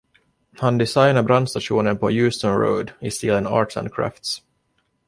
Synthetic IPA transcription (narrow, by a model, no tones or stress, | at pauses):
hand̪ɪsajnaɾbɾand̪st̪aʂuːnənpʰɔjʉːst̪ɔnɾə̰ːd̪ɪst̪iːlənɑ̰ːʈla̰nd̪kʰɾæ̰ːft̪s